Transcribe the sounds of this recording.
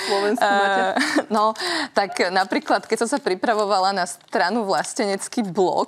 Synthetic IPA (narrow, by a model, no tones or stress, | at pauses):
lɔʋɛnsianɔt̪aknapɾiːklat̪kɛcsɔ̃sapɾipɾaʋɔʋalanast̪ɾanuʋlascɛɲɛt͡skiblɔ̰k